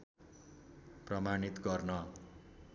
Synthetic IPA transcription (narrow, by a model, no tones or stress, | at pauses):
prʌmanit̪ɡʌrnʌ